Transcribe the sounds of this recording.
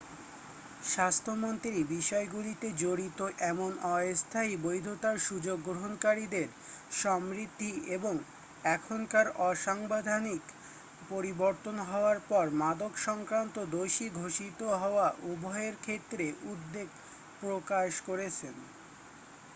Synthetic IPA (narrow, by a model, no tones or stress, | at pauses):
ʃast̪ʰomont̪ɾibiʃɔeɡulit̪ed͡ʑoɾit̪oʔɛmonɔest̪ʰaibojd̪ʱot̪aɾʃud͡ʑoɡːɾoɦonkaɾid̪eɾ | ʃɔmɾid̪ʱːieboŋ | ɛkʰonkaɾɔʃaŋbad̪ʱanik | poɾiboɾt̪onɦɔoaɾpɔɾmad̪okʃɔŋkɾant̪od̪oʃiɡʱoʃit̪oɦɔoaʔubʱɔeɾkʰet̪ːɾeʔud̪ːeɡ | pɾokaʃkoɾet͡ɕʰen